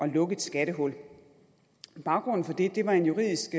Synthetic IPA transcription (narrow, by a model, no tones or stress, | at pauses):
ʔɒ̽lɔ̽ɡ̥əð̩ˠsɡ̥æɾ̥əɦɔ̽l̰ | b̥ɑ̈ʊɡ̥ʁɔ̽n̰n̩fɒ̽d̥e̝d̥e̝ʋɑ̈e̝njuʁḭð̰ˠisɡ̥